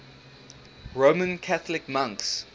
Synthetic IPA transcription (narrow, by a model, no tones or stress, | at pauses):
ɹomə̃nkʰaθəlɪkmãŋks